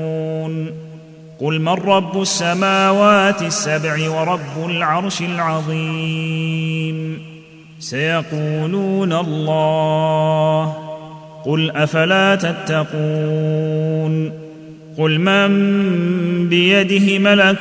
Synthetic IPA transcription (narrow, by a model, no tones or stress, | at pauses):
n | qʊlmarˤːɑbːʊasːamaːwaːt̪ɪsːabʕɪwɑɾˤɑbːʊlʕɑɾˤʃɪlʕɑðˤi | m | sajɑquːluːnalˤːɑː | h | qʊlʔafalaːt̪at̪ːɑquː | n | qʊlmam | bɪjad̪ɪhɪmala